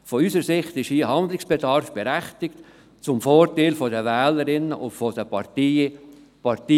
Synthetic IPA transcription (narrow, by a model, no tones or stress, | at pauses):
fɔyːsəɾsɪχtɪʃiːɦɑnd̪lɪksb̥edɑɾfb̥ɛɾæχtɪkt | t͡sʊmfoːɾtaɪlfɔdəvɛːləɾɪnːəʔʊ̰ntfɔdəpʰɑɾti | pɑɾtiː